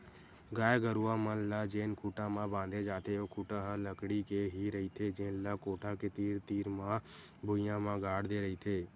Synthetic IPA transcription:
ɡaːeɡəɾuːãːmənlaːd͡ʒeːnkʰuːʈãːmãːbãːnd̪eːd͡ʒaːt̪ʰeːoːkʰuːʈãːɦələkɽiːkeːɦiɾəɦiːt̪ʰeːd͡ʒeːnlaːkoːʈʰãːkeːt̪iːɾt̪iːɾmãːbʊɪjãːmãːɡaːɽd̪eːɾəiːt̪ʰeː

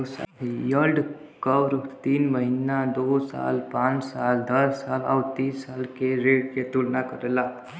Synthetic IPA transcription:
sa̰jəlɖ | kəwɾt̪iːnməɦinːad̪osa̰lpãːt͡ʃsald̪əɾsala̰wt̪iːsːalkeɾeɽket̪ulnakəɾela

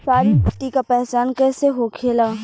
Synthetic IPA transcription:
saːɾibʱʊʈːikapɛɦt͡ʃaːnkɛːseɦoːkʰeːlaː

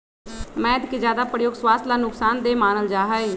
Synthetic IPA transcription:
mɛ̃ːɪd̪kezjaːd̪aːpɾəjoːɡswaːst̪laːnʊksaːnd̪eːmaːnəld͡ʒaːɦəeː

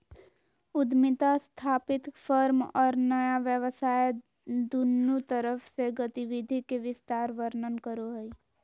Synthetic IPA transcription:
ʊd̪mɪt̪ast̪ʰaːpɪt̪fʰəɾmɔːɾnəjaʋjəʋəsaːe | d̪unːut̪əɾəfʰseɡət̪iʋɪd̪ʱikeʋɪst̪aːɾʋəɾnənkəɾoɦəi

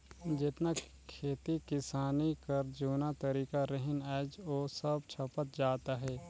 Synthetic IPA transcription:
d͡ʒɪt̪na | kʰeːt̪ikɪsaːnikɐɾd͡ʒuːnat̪ɐɾiːkaɾəɦɪnɛːd͡ʒoːsəbt͡ʃʰɐpət̪̚d͡ʒaːt̪aɦɛː

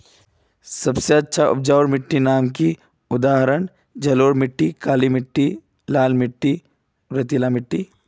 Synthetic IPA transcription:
sɐbseɐtːʃʰaʔʊ̰p̚d͡ʒaːoɾmɪʈːinaːmki | ʊd̪aːɦɾəɳ | d͡ʒɐloːɾmɪʈːikaːlimɪʈːi | laːlmɪʈːi | ɾɐt̪ilamɪʈːi

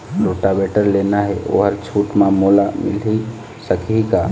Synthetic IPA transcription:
loʈabeʈəɾlenaɦeʔo̰ɦəɾt͡ʃʰuʈmamolamɪ̰li | səkʰika

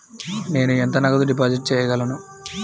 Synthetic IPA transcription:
ne̞ːnuent̪ɐnɐɡɐt̪uɖip̬aːd͡ʒiʈ̚t͡ʃɛːjɐɡɐlɐnu

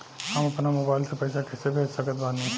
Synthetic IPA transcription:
hɐmɐpnamoːbaːɪlsepɐjsakɛsebʱeːd͡ʒsɐkət̪bãːnĩ

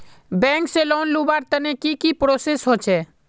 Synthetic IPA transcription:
bɛ̃ːŋkselonlubaːɾt̪ənekikipɾoːsesɦot͡ʃʰɛː

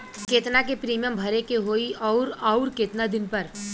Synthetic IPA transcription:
keːt̪nakepɾiːmijəmbʱɐɾekeɦoːiʔɔʊɾɔʊɾkeːt̪nad̪ɪnpɐɾ

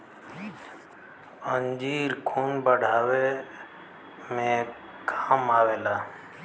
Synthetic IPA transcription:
ənd͡ʒiːɾkʰuːnbəɽ̤ʱaːwe | mẽ | kʰaːmaːweːlaː

